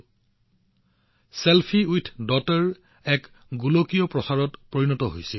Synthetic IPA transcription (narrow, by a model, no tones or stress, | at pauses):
selpʰiujtʰdɔtɔɹ | ɛk | ɡulokijɔpɹɔsaɹɔtpɹoɹinɔtɔɦojsil